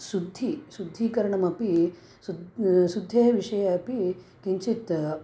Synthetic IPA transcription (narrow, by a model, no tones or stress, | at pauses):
sud̪ʱːisud̪ʱːiːkɐɾɐɳɐmɐpi | ssud̪ʱːeːʋiʂɐjɐɐpikiɲt͡ʃit̪